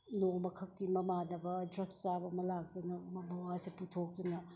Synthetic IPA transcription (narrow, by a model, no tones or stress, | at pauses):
nomɐkʰɐk̚timɐmanɐbɐdɾɐɡt͡ʃabɐmɐlak̚dunɐmɐmɐwasiputʰok̚tunɐ